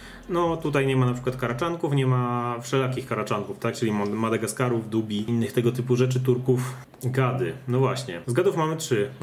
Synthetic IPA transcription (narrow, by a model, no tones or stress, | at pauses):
nɔt̪ut̪̬ajɲɛmanapʂɘ̥kwat̪kaɾat͡ʂaŋkufɲɛmafʂɛlakʲixkaɾat͡ʂaŋkuft̪ak̚t͡ʂɘlʲimmad̪ɛɡaskaɾuvd̪ubʲiinːɘxt̪ɛɡɔt̪ɘpuʐɛt͡ʂɘt̪uɾkuf | ɡad̪ɘnɔvwaɕɲɛzɡad̪ufmamɘtʂɘ